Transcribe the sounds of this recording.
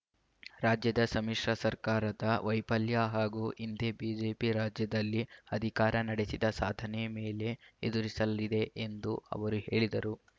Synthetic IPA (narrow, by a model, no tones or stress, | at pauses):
ɾaːd͡ʒjɐd̪ɐsɐmiʂɾɐsɐɾkaːɾɐd̪ɐʋɐjpɐljaɦaːɡuːʔind̪ebiːd͡ʒeːpiɾaːd͡ʒjɐd̪ɐlːiɐd̪ʱikaːɾɐnɐɽe̞sid̪ɐsaːd̪ʱɐnɛme̞ːle̞ed̪uɾisɐlid̪e̞ʔend̪uɐ̰ʋɐɾuhe̞̰ːɭid̪ɐɾu